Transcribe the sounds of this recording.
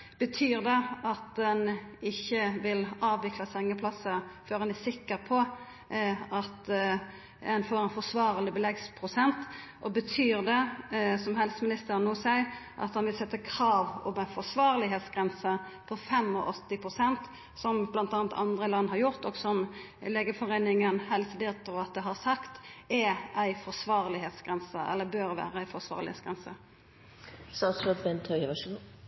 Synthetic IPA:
b̥ət̪ʰyːɾd̪ɛɑt̪̚d̪ɛnɪçːəʋɪlɑːʋʋɪklɑsɛŋːəpʰlɑsəfɔɾɑnæsɪkːəɾpʰɔ | ɑt̪ | ɛnfoːɾɛnfɔsʋɑːʁlɪbəlɛɡspʰʁʊsɛnt̪ʔɔbət̪ʰyːʁd̪ɛsɔmɦɛlsmɪnɪst̪əʁnːoːsæɪʔɑ̰t̪hɑnʋɪlsɛt̪ːəkʰɾɑːʋɔ̰mæɪfɔsʋɑːʁlɪɦeːt̪sɡ̥ʁɛnsə | pʰɔfɛmɔ̰ʔɔt̪ːɪpʰʁʊsɛnt̪ | sɔmblɑnt̪ɑːnt̪ʰɑ̰nd̪ʁəlɑnːhɑʁjʊʁt̪ɔɡsɔm | leːɡəfɔʁeːnɪŋənhɛlsəd̪ɪt̪ːʊɑt̪̚d̪ɛɦɑʁsɑkt̪ɛæɪfɔsʋɑːʁlɪɦeːt̪sɡ̥ʁɛnsəʔɛ̰lːəbøːɾʋæ̰ːɾəæɪfɔsʋɑ̰ːʁlɪhḛsɡʁɛnsə | sɑsɔbɛnt̪ʰœʏəʋɑʂɡ

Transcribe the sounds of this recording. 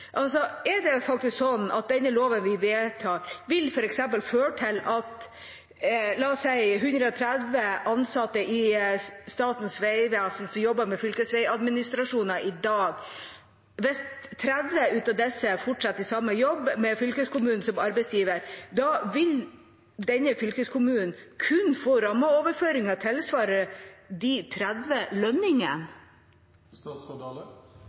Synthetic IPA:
ʔɑlsɔɛɖɛfɑk̚t̪ɪsksɔnːʔɑ̰t̪̚d̪ɛnːəloːʋənʋɪʋeːt̪ʰɑːɾʋɪlfɔɾɛksɛmpəlføːʈʰɪlɑt̪ | lɑɔsæɪɦʉnd̪ɾəɔt̪ʰɾæd̪ʋəɑnsɑt̪ːəʔɪst̪ɑːt̪n̩sʋæɪʋɛssɔmjɔbːɑɾmɛfʏlkəsʋɛɪɑd̪mɪnɪst̪ɾɑʂuːnɑʔɪd̪ɑːɡ | ʋɛst̪ʰːɾæd̪ʋəʉːt̪ɑd̪ɛsːəfɔʈʂɑt̪ːɪsɑmːəjɔbːmɛfʏlkəskʊmʉːnn̩sɔmɑɾbɛɪsjiːʋəɾd̪ɑʋɪl | d̪ɛnːəfʏlkəskʰʊmʉːnn̩kʰʉnfoːɾɑmːəoːʋəɾføːɾɪŋɑt̪ʰɛlsʋɑːɾəd̪ɪt̪ʰɾæd̪ʋəlœnɪŋə̰n

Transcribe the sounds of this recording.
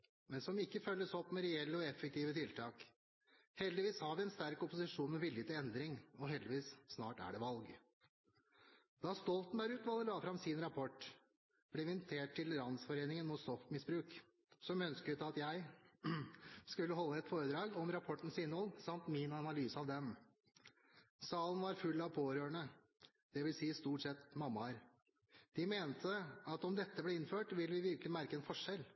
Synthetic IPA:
mɛnsɔmɪkːəfœlːəsɔpːmɛɾɛɛlːəɔɛfːɛk̚t̪ʰiːʋət̪ʰɪlt̪ʰɑːk | hɛld̪ɪʋiːshɑɾʋɪɛnst̪æɾkʊpʊsɪʂuːnmɛʋɪljət̪ɪlɛnd̪ɾɪŋɔɦɛld̪ɪʋiːsːnɑ̰ːʈæ̰ɖɛʋɑlɡ | d̪ɑst̪ɔlt̪n̩bæɾʉːt̪ʋɑlːəlɑːfɾɑmsɪnɾɑpʰɔʈː | b̥liːʋɪnt̪ʰeːʈʰːɪlɾɑnsfɔɾeːnɪŋənmʊːt̪st̪ɔfmɪsbɾʉːk | sɔmœnskət̪ɑt̪jæɪ | skʉlːəɦɔlːəɛt̪foːɾəd̪ɾɑːɡɔmɾɑpʰɔʈːn̩sɪnːhɔlsɑmt̪mɪnɑnɑlyːsəɑʋd̪ɛm | sɑːlənʋɑɾfʉlːɑʋpʰoːɾøːəɳə | d̪̥ɛʋɪlsiːst̪uːʈsɛt̪mɑmːɑɾ | d̪̥ɪmeːnt̪ʰəɑt̪ɔmd̪ɛt̪ːəblɛːɪnːføːʈʋɪlʋɪʋɪɾklɪmæɾkəɛːnfɔʂɛl

